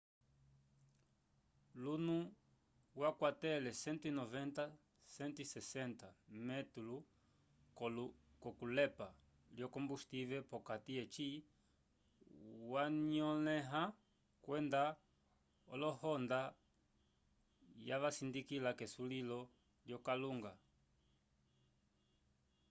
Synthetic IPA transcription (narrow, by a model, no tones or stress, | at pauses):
lunu | wakwatɛlɛsɛnt̪inɔvɛnt̪a | sɛnt̪isɛsɛntamɛt̪ulu | kɔkulɛpa | ljɔkɔmbust̪ivɛpɔkatiɛt͡ʃi | waɲɔlɛɦa | kwɛnda | ɔlɔhɔnda | javasindikilakɛsulilɔ | ljɔkaluŋɡa